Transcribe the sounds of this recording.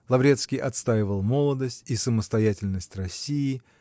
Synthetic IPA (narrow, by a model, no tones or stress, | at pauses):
lˠɐvɾʲet̪skʲɪjʔɐt̪st̪ajɪvəlˠmo̞lˠəd̪əsʲtʲisəməst̪ɐjætʲɪlʲnəsʲtʲrɐsʲijɪ